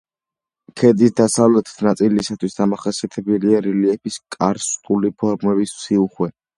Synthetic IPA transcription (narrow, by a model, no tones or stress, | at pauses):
kʰɛd̪isd̪asavlɛt̪ʰnat̪sʼilisat̪ʰwisd̪amaχasiat̪ʰɛbɛliaɾɛliɛpiskʼaɾst̪ʼulipʰɔɾmɛbissiluχwɛ